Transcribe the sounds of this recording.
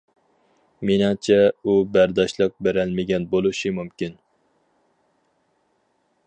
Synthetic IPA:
menɪŋt͡ʃʰɛubæɾd̪ɑʃlˠɑq̚beɾɛlmɪɡʲɛnbolˠuʃimumkʲin

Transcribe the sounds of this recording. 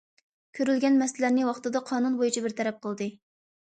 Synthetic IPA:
kʲʰøɾylɡʲɛnmɛslæɾnɪwɑχt̪ɨd̪ɑqʰɑːnunbojut͡ʃʰibɪɾt̪ʰɛɾɛp̚qʰəlˠd̪ɨ

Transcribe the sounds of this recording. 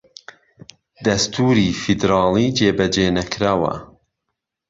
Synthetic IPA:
d̪ɐst̪ʰuːɾiːfid̪ɾɑːlˠiːd͡ʒeːbɐd͡ʒeːnɐkɾaːwɐ̰

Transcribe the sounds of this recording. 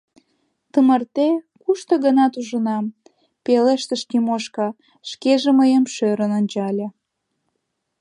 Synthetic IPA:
t̪əmərt̪ekuʃt̪oɣənɑt̪uʒənɑm | peleʃt̪əʃk̪imoʃkɑ | ʃkeʒeməjemʃøɾənonʲt͡ɕɑlʲe

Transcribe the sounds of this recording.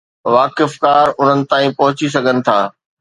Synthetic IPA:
ʋaːkɪfkaːɾʊn̤ənɪ̆t̪aːĩpɐɦʊt͡ɕis̬ɐɡʱənɪ̆t̪ʰaː

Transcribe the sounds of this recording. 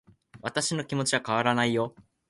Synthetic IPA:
βat̪aɕino̞kʲimo̞t͡ɕiβakaβ̞aɾanaijo̞

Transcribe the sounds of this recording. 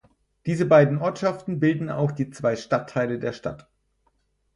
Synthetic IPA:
d̥iːzəbaɪdn̩ʔɔɐtʃaftn̩bɪldn̩a̰ʊxd̥iːt͡sv̥aɪʃtatʰːaɪlədeːɐʃta̰t

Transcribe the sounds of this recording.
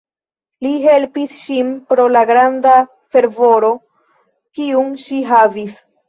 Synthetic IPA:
liɦe̞lpisʃinpɾo̞laɡɾanda | fe̞ɾvo̞ɾo̞ | kiuŋʃiɦavis

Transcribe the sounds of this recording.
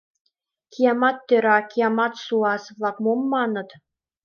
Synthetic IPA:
kʲʰijɑmɑt̪ːøɾɑkijɑmɑt̪suɑsβlˠɑkmomːɑnɤ̆t̪

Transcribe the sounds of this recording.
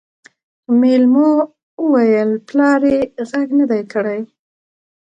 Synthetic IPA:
melmo | wəwajəlplɑɾeɣaɡnəd̪ajkəɽaj

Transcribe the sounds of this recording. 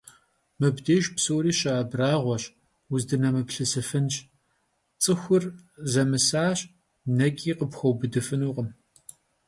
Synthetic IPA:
mɨbdeːʒpsoːɾiːɕaːbraːʁʷɔɕ | wʊzdɨnɐmɨpɬɨsɨfɨnɕ | t͡sʼɨxʷʊrzɐmɨsaːɕ | nɐkʲʼiːqəpxʷɐwbɨdɨfɨnuːqəm

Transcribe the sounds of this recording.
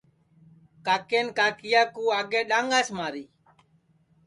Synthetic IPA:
kaːkeːnkaːkɪjaːkuːaːɡeːɗaːŋɡaːsmaːɾiː

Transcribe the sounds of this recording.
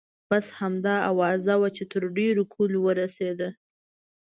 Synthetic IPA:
bashamd̪ɑawɑzawat͡ʃet̪əɾɖeɾokʰolwəɾased̪a

